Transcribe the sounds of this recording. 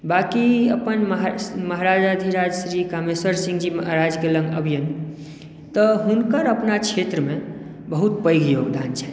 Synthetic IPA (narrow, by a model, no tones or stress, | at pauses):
bakiəpənmɦməɦaɾad͡ʒad̪ʱiɾad͡ʒsɾikameswəɾsĩŋɡd͡ʒiməɦɾad͡ʒɡelə̃ŋɡəbʱijən | t̪ɔɦunkəɾəpnakt͡ʃʰet̪ɾəme | bəɦut̪pəjɡjoɡd̪ant͡ʃʰɛ̥